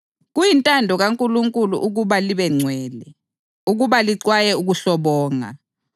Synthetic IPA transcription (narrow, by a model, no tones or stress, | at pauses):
ɣujintʼandʱɔɣaŋkʼuluŋkʼulṵʔuɣuβaliβɛŋ͡ǀʱwɛːlɛ | uɣuβaliǀwajɛuɣuɬɔβɔːŋa̰